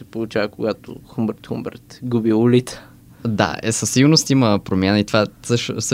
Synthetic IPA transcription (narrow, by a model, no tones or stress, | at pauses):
sɛpolˠut͡ʃavəkoɡat̪o̰xumbɛɾt̪xumbɛ̰ɾt̪ɡubiulit̪sə̥ | d̪a̰ɛ̰sɐsːiɡolˠnost̪iməpɾomʲjanəit̪vasəʃs